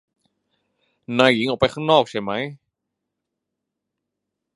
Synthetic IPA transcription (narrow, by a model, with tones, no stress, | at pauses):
naː˧˩ji˨˦ŋʔa˨˩wpa˧jxʰaː˥˩ŋnɔː˥˩k̚t͡ɕʰa˧˥˩ma˦˥j